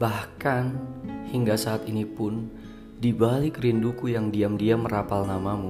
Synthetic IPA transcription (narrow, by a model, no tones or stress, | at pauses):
bahkanhiŋɡasaːt̪inipʊn | dibalɪkrindukujaŋdiamdiaməɾapalnamamu